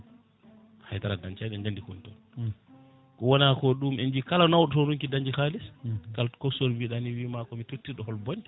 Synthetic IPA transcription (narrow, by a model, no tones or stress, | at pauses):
hajtaɾadaɲt͡ʃajɗɛɲd͡ʒandikontɔn | kɔwɔnakɔɗumɛnd͡ʒikalanawɗɔtɔɾuŋkidaɲd͡ʒihaːliskalkɔsɔɾbiɗaniwimakɔmitotːiɗɔhɔlbɔn